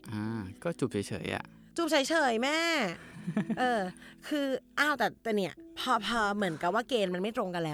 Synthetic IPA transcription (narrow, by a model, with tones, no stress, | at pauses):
ʔaː˧˩kɔː˥˩t͡ɕu˨˩p̚t͡ɕʰːjʰt͡ɕʰɤ̰ː˩˦jʔa̰˨˩ʔ | t͡ɕu˨˩p̚t͡ɕʰa˨˩˦jt͡ɕʰɤː˨˩˦jmɛː˥˩ | ʔɤː˧kʰɯː˧ʔaː˧˩wt̪ɛː˨˩t̪ɛː˨˩ni˥˩ɐpʰɔː˧pʰɔː˧mɯ˩˦ənka˨˩p̚waː˥˩keː˧nma˧nma˥˩jt̪ɾo˧ŋka˧nlɛː˦˥